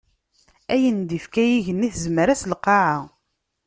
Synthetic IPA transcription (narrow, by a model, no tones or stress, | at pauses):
æjənd̪ifkæjiʝənːiθzməɾæslqːɑʕa